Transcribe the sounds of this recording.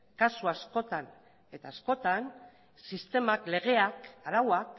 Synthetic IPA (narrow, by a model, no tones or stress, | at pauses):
kasuasko̞t̪an | e̞t̪aːsko̞t̪an | sist̪e̞makle̞ɣ̞e̞akaɾawak